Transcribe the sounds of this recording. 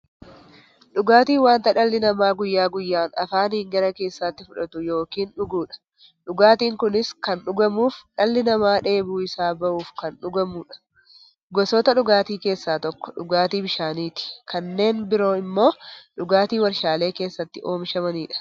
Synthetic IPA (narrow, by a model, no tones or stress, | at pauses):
ᶑʊɡaːt̪iːwaːnt̪ɐᶑɐlːɪnɐmaːɡʊjːaːɡʊjːaːnɐ̰faːnhiːŋɡɐɾɐke̞ːsːaːt̪ːɪfʊᶑɐt̪ʊjo̞ːkiːnᶑʊɡuːᶑɐ̥ | ᶑʊɡaːt̪iːŋkʊnɪskɐnɗʊɡɐmuːfᶑɐlːɪnɐmaːᶑe̞ːbuːɪsaːbɐʔuːfkɐnᶑʊɡɐmuːᶑɐ̥ | ɡɔsɔt̪ɐᶑʊɡaːt̪iːke̞ːsːaːt̪ɔkːɔ̥ᶑʊɡaːt̪iːbɪʃaːniːt̪ɪ̥kʰɐnːe̞ːnbɪɾo̞ːɪmːo̞ːᶑʊɡaːt̪iːwɐɾʃaːle̞ːke̞ːsːɐt̪ːɪʔo̞ːmʃɐmɐniːᶑɐ̥